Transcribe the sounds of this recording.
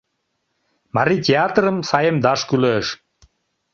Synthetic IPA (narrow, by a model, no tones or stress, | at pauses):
mɑɾit̪ʲeat̪rəmsɑjəmd̪ɑʃkyløʃ